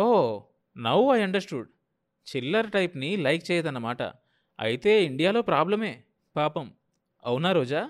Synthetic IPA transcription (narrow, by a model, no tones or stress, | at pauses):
oː | nɐwɐjɐɳɖɐɾsʈuɖ | t͡ʃilːɐɾʈɐjpnilɐjk̚t͡ʃɛːjɐd̪ɐnːɐmaːʈɐ̰ | ɐ̰jit̪e̞ːiɳɖijaːlo̞ːpɾaːblɐme̞ː | paːpɐm | ɐwunaːɾoːd͡ʒaː